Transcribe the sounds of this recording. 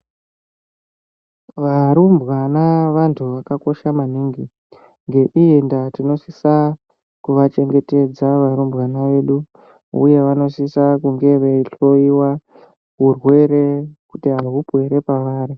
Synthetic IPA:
ʋaɾumbɣanaʋantʰuʋakako̞ʃamaniːŋɡi | ŋɡe̞ʔijendatino̞sisa | kuʋat͡ʃe̞ŋɡe̞te̞d͡zaʋaɾumbwanaʋe̞ɗu | ṵje̞ʋano̞sisakuŋɡe̞ʋeiɬo̞iwa | kurwe̞ɾe̞kutiɦaɦupwe̞ɾe̞paʋaːɾi

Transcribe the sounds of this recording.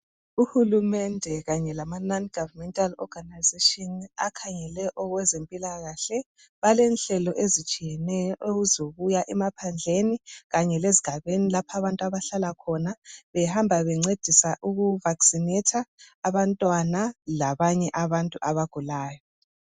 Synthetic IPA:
uhulumɛndʱɛɣaɲɛlamananɡ̥ʱavamɛntʼalɔ̰ɡ̥ʱanajzetʼɔna̰kʰaɲɛlɛʔɔɣwɛzempʼilaɣaɬɛ | βalɛnɬɛlɔʔezit͡ʃʼijɛnɛjɔʔeuzoɣujaʔɛmapʰand͡ɮʱeniɣaɲɛleziɡ̥ʱaβenilapʰaβantʼuaβaɬalakʰɔnaβɛhambʱaβɛŋ͡ǀed̥ʱisaʔuɣuvaksinɛtʰaːβantʼwanalaβaɲɛʔaβantʼuʔaβaɡ̥ʱulaːjɔ

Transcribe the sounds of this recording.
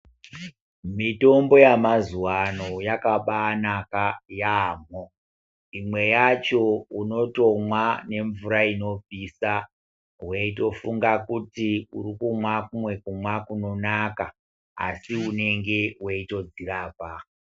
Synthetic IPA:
mito̞mbo̞jamazuwano̞jakaɓanakajaːmo | imwe̞jat͡ʃo̞uno̞to̞mwane̞ɱvuɾaino̞p͡fisa | weito̞fuŋɡakutiuɾikumwakumwe̞kumwakuno̞naka | a̰siune̞ŋɡe̞weito̞d͡ziraːpa

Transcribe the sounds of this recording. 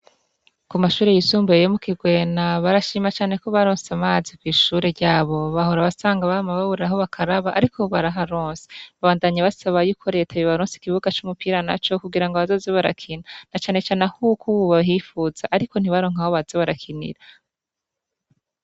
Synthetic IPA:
kumaʃuːɾe̞jisuːmbujejomukiɡwe̞ːnaβaɾaʃiːmat͡ʃaːne̞koβaɾoːnsamaːzikwiːʃuːɾeɾɟaːβo̞βaɦo̞ɾaβasaːŋɡaβamaβaβuɾiɾaɦo̞βakʰaɾaβaʔaɾikʰo̞βaɾaɦaɾoːnse̥βaβaːndaɲaβasaβajuːkʰoɾe̞tʰaβiβaɾõːnsi̥kiβuɡat͡ʃumupiːɾana̰t͡ʃo̞kuɡiɾaŋɡoβazo̞ːzeβaɾa̰kʰinanat͡ʃaːne̞t͡ʃaːneahukʰuuβaɦifuzaʔːɾiko̞n̥iβaɾo̞ːŋ̥aho̞βaz̥eβaɾakʰinḭɾa

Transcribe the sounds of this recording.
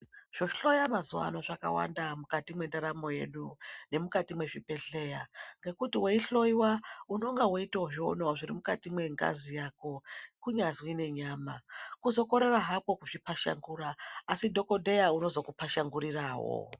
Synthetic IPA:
ʐ̥o̞ɬojamazuwa̰no̞ʐaka̰wa̰ndamukatimwe̞ndaɾamo̞je̞̰ɗune̞mukatimwe̞ʐipe̞ɬe̞jaŋɡe̞kutiweiɬo̞iwaunoŋɡawoitaoʐio̰noʐiɾimukatimwe̞ŋɡa̰zijako̞kuɲazwine̞ɲaːma̰kuzo̞ko̞ɾe̞raɦapo̞kuʐipaʃa̰ŋɡuːɾaːsidʱo̞ko̞dʱe̞jauno̞zo̞kupaʃaŋɡuɾiraːwo̰

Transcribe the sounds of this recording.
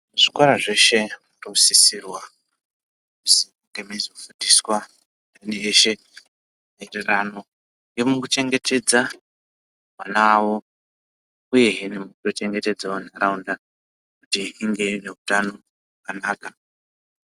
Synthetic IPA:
muʐikwaɾaʐe̞ʃe̞murosisirwa | kusi | ŋɡemizofundiswa | paneːʃe̞ | maererano̞ | ŋjemukut͡ʃe̞ŋɡe̞te̞d͡za | mwanawo̞ | uje̞inemukuto̞t͡ʃe̞ŋɡe̞te̞d͡zaonaɾaunda | kutiiŋɡe̞ine̞utano̞ | wakanaːka

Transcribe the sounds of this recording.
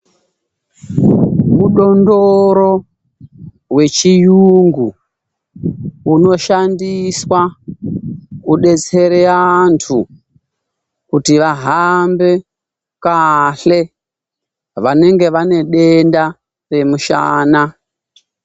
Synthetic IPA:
uɗo̞ndoɾo̞ | ɦwe̞t͡ʃijuŋɡu | uno̞ʃandiswa | uɗe̞t͡se̞ɾeantʰu | kutiʋaɦambe̞ | kaɬe̞ | ʋane̞ŋɡe̞ʋane̞ɗe̞nda | re̞muʃa̰ːna

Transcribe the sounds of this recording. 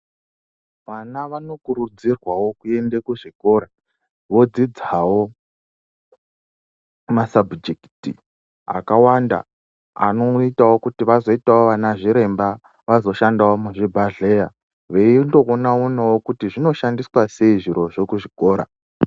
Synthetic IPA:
ʋanaʋano̞kuɾud͡zirwawo̞kue̞ndekuʐiko̞ɾa | ʋo̞d͡zid͡zawo̞ | masabd͡ʒekti | a̰kawanda̰ | a̰no̞itawo̞kutiʋazo̞itawo̞ʋanaʐiɾe̞mba | ʋazo̞ʃandawomuʐibʱaɮe̞ja | ʋeindo̞konaonawokutiʐino̞ʃandiswase̞iʐiɾo̞ʐokuʐiko̞ːɾa̰

